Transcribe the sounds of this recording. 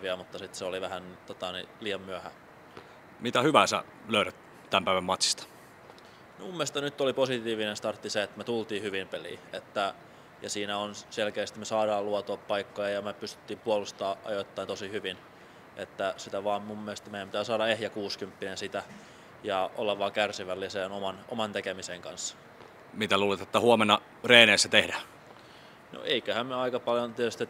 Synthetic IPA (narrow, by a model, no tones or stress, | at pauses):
ʋiæmut̪ːɑsit̪seoliʋæhænt̪ot̪ɑnḭliːjɑmmyæhæ | mit̪æhyʋæːsæ̰ | løyɾæt̪ | t̪æmpæˑiʋæmɑt̪si̥st̪ɑ̥ | mimumːiest̪ɑnyt̪ːoliposit̪iːʋinenst̪ɑrt̪ːiseet̪met̪ult̪iːhyʋimpelḭːet̪ːæ | jɑsiːnæonselkeːst̪imesɑːɾɑːluɑt̪oːppɑikːojɑjɑmepyst̪y̥t̪ːiːmpuolust̪ɑːʔɑ̰jot̪ːɑint̪osihyʋin | ʔet̪ːæsit̪æʋɑːmmumːiest̪mejæmpit̪æːsɑːdɑehjækuːskympːinensit̪æ | jɑo̰lːɑʋɑːkærsiʋælːiseːnomɑnʔo̰mɑnt̪ekemiseŋkɑ̰nsːɑ̥ | mit̪æluːlet̪et̪ːæhuomenːɑ | reːneːsːæt̪ehdæ | no̰ʔeikøhæmmyøɑikɑpɑljont̪iet̪yst̪it̪